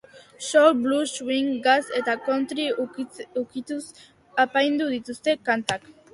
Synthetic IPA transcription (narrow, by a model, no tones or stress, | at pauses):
ʃolbluʃwiŋɡase̞t̪akont̪ɾiukit̪us | apajnd̪uð̞it̪ust̪e̞kant̪ak